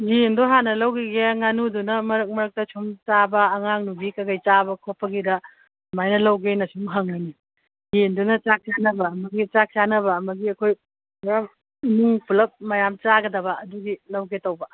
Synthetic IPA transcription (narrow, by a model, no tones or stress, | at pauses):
jendoɦanɐlɐwɡiɡeŋanudunɐmɐɾɐk̚mɐɾɐk̚tɐt͡ʃʰumt͡ʃabɐːŋaŋnubikɐɡɐjt͡ʃabɐkʰopːɐɡidɐ | majnɐlɐwɡenɐsumɦaŋlajni | jendunɐt͡ʃak̚t͡ʃanɐbɐːmɐɡit͡ʃak̚t͡ʃanɐβɐːmɐɡiɐkʰoj | jam | nuŋpʰulɐp̚mɐjamt͡ʃaɡɐdɐβɐɐduɡilɐwɡetɐwbɐ